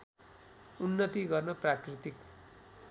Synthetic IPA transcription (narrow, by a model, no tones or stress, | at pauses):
unːʌt̪iɡʌrnʌprakrit̪ik